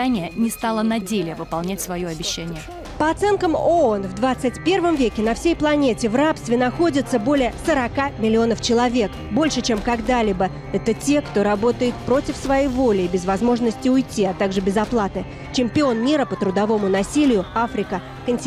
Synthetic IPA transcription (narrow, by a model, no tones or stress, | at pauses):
anʲɪjənʲɪst̪alˠənɐdʲelʲɪjəvɨpɐlˠnʲætʲsvɐjoɐbʲɪɕːænʲɪjə | pəɐt̪sɛnkəmoonvd̪vat̪sɨtʲpʲe̞rvəmvʲekʲɪnɐfsʲejplˠɐnʲetʲɪvrapst̪vʲɪnɐxo̞dʲɪt̪səbo̞lʲɪjəsəɾɐkamʲɪlʲɪo̞nəft͡ɕɪlˠɐvʲe̞k | bo̞lʲʂɨt͡ɕe̞mkɐɡd̪alʲɪbə | ɛt̪ətʲe̞kt̪o̞ɾɐbo̞t̪əjɪt̪̚pɾo̞tʲɪfsvɐjejvo̞lʲɪːbʲɪzvɐzmo̞ʐnəsʲtʲɪʊjtʲːiɐt̪aɡʐɨbʲɪzɐplˠat̪ɨ | t͡ɕɪmʲpʲɪo̞nmʲiɾəpət̪ɾʊd̪ɐvo̞mʊnɐsʲilʲɪjʊafɾʲɪkə | kənʲtʲ